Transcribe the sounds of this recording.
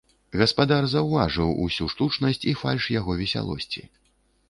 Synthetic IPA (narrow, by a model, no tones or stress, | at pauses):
ɣɐspad̪arzɐwvaʐɨwṵsʲuʂt̪ut͡ʂnɐsʲt͡sʲifa̰lʲʂjaɣɔvʲɛsʲa̰lˠɔ̰sʲt͡sʲḭ